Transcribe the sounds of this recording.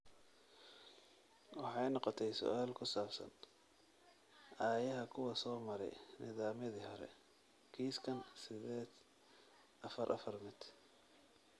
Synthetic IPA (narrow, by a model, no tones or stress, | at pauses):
wɑħɑjnɔqɔt̪ʰɛjsʊ̰ʔaːlkʰʊsaːbsɐ̰n | ʔaːjɐɦɐkʰʊwɐsɔːmɐɾɛ̰jnɪ̰ðaːmɪðihɔɾɛ̰ | kʰiːskʰɐnsɪðɛːd̪ | ɐfɐɾʔɐ̰fɐrmɪd̪